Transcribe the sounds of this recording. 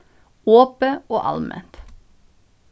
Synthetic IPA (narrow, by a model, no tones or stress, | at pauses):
oːpəoːʔɑ̰lmɛ̰nt̪